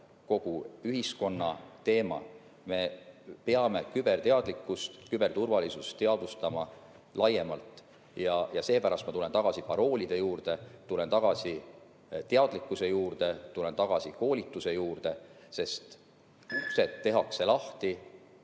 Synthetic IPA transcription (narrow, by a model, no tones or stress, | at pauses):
ko̞ɡ̥uyɦisko̞nːɑ̰t̪e̞ːmɑ̰ | me̞pe̞ɑme̞kyb̥e̞rt̪eɑd̪̥likːˑust̪kybe̞rt̪urvɑlisust̪e̞ɑd̪̥ust̪ɑmɑ | lʔɑje̞mɑlt̪ | jɑjɑse̞ːpæɾɑst̪mɑt̪ule̞nt̪ɑɡ̥ɑsipɑɾo̞ːlʲid̪̥e̞juːrd̪e̞t̪ule̞nt̪ɑɡ̥ɑsi | t̪eɑd̪̥likːˑusejuːrd̪e̞t̪ule̞nt̪ɑɡ̥ɑsiko̞ːlʲit̪ːˑuse̞juːrd̪̥e̞ | se̞st̪ | use̞t̪ːe̞ɦɑkse̞lɑht̪i